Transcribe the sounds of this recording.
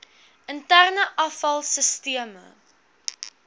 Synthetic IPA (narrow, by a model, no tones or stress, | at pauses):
ʔəntærnəʔɐfɐlˠsəstiəmə̰